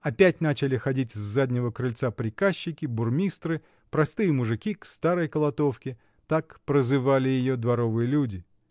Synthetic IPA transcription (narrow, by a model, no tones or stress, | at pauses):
ɐpʲætʲnat͡ɕɪlʲɪxɐdʲitʲɪzːadʲnʲɪvəkɾɨlʲt̪sapɾʲɪkaɕːɪkʲɪbʊrmʲist̪ɾɨ | pɾɐst̪ɨjəmʊʐɨkʲikst̪aɾəjkəlˠɐt̪o̞fkʲɪ | t̪akpɾəzɨvalʲɪjɪjod̪vɐɾo̞vɨjəlʲudʲɪ